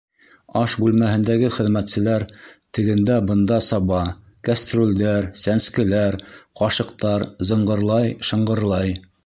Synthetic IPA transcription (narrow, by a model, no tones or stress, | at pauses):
ɑʃbʉlmæhɘ̆nd̪æɡɘχɘ̆ðmæt̪sɘ̆læɾt̪ɘ̆ɡɘ̆nd̪æbɤ̆nd̪ɑsɑβɑ | kast̪rulʲd̪æɾsænskɘ̆læɾqɑʃɤ̆qt̪ɑɾzɤ̆ɴɢɤ̆ɾlˠɑjʃɤ̆ɴɢɤ̆ɾlˠɑj